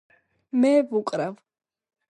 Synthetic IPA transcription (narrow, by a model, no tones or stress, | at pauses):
mɛːvukʼɾav